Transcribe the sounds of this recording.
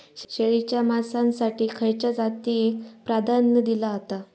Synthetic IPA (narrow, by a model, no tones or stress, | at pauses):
ɕɕeɭit͡ɕjamasãnsaʈiːkʰəjt͡ɕjad͡zat̪iːekpɾad̪ʱanːəd̪ilaɦət̪a